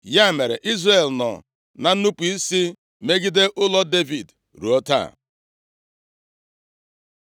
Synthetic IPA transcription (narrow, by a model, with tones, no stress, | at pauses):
ja˦˨me˨ɾḛ˨ʔi˦zre˨lnɔ̰˨ | na˨n̩˦nu˦pu˨i˦si˦ | me˦ɡi˦de˦ʔʊ˦lɔ˦de˦vi˨d | ɾṵ˨ɔ˦ta̰˦˨